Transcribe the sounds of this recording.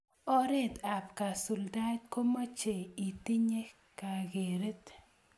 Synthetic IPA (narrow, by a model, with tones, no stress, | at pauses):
o˦ɾe˦t̪a˨pka˨sʊ˨ld̪a˦d̚ko˦ma˦t͡ʃe˨i˨t̪i˦ɲe˦ | ka˨ɡe˨ɾe˦t̪